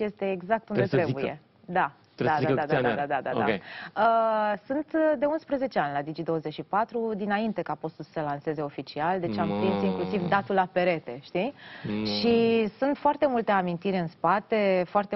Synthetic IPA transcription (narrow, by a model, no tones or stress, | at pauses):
je̞st̪e̞ːɡzak̚t̪und̪et̪ɾebujje̞̰ | d̪a | d̪ad̪aaad̪ad̪ad̪ad̪a̰a̰keəsunt̪d̪e̞unspɾəze̞t͡ʃe̞anʲlad̪id͡ʒid̪o̞ozet͡ʃʃipat̪ɾud̪inaint̪e̞kapo̞st̪ulsə̥səlanse̞ze̞o̞fit͡ʃiald̪e̞t͡ʃampɾinsiŋklusivd̪at̪ulape̞ɾe̞t̪e̞ʃt̪iʃisunt̪foart̪e̞mult̪e̞amint̪iɾʲɨnspat̪e̞foart̪e